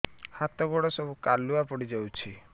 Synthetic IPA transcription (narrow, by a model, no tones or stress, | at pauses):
hat̪ɔɡɔɽɔsɔbʱukaluapɔɽid͡ʒawt͡ʃʰi